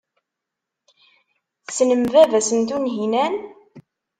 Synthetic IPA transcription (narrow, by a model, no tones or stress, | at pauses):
θsnəmvævæsənt̪unɦinæn